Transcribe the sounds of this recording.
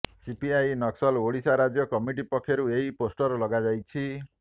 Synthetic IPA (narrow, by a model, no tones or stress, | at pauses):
sipiajnʌksʌloɽisaɾad͡zjʌkʌmiʈ̬ipʌkʰːeɾueiposʈʌrlʌɡad͡zajt͡sʰi